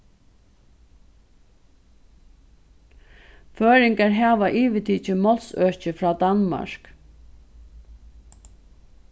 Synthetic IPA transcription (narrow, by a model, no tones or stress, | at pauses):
føːɾɪŋkaɾɦæːʋaʔiːʋɪt̪ʰiːt͡ʃɪmɔlsœɹt͡ʃəɪfɾɑːd̪anma̰ʃk